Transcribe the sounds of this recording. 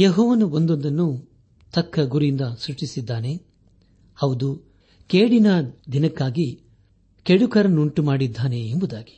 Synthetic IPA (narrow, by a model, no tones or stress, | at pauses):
jeɦɔːʋɐnuond̪ond̪ɐnːu | t̪ʰɐkʰːɐɡuɾind̪ɐsɾut͡ʃːisid̪ːaːne̞ | hɐʋd̪u | keːɽinɐd̪inɐkːaːɡi | keɽukɐɾɐnːuɳʈumaːɽid̪ʱːaːne̞ːmbud̪aːɡi̥